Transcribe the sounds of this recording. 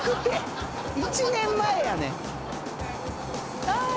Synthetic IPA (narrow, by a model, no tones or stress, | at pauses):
kɯt̪ːe | it͡ɕɨːnẽmːaejanḛ̃ | a